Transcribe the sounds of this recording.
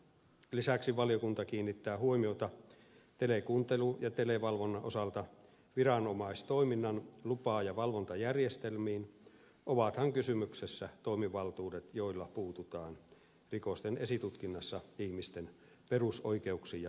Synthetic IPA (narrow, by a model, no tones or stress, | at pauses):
lisæksiʋɑliokunt̪ɑkiːnːit̪ːæːhuomiot̪ɑ | t̪elekuːnt̪elujɑt̪eleʋɑlʋonːɑʔosɑlt̪ɑ | ʋirɑnomɑist̪o̞iminːɑnlupɑːjɑʋɑlʋont̪ɑjærjest̪elmiːn | ʔoʋɑt̪hɑŋkysymyksesːæt̪o̞imiʋɑlt̪uːdet̪jo̞ilːɑpuːt̪ut̪ɑːn | rikost̪enesit̪ut̪kinːɑsːɑihmist̪en | peruso̰ike̞uksijɑ